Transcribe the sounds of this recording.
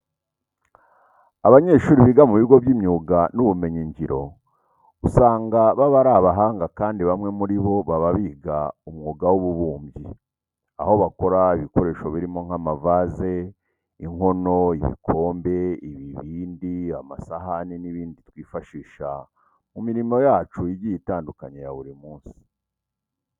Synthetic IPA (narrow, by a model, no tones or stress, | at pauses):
aβaɲe̞ʃuːɾiβiɡamuβiɡo̞βjiːmɲuːɡanuβume̞ɲeɲɟiɾo̞ | usaːŋɡaβaβaɾaβaɦaːŋɡakaːndiβamŋe̞muɾiβo̞βaβaβiːɡaumŋuːɡawuβuβuːmbɟi | a̰ho̞βako̞ɾaiβiko̞ɾe̞ːʃo̞βiɾimo̞ŋ̥amavaze̞ | iŋho̞no̞iβḭkʰo̞ːmbe̞iβiβiːndiama̰saɦaniniβiːnditwiːfaʃiːʃa | mumiɾimo̞jaːt͡ʃuiɟijitaːndukaɲejaβuɾimuːnsi̥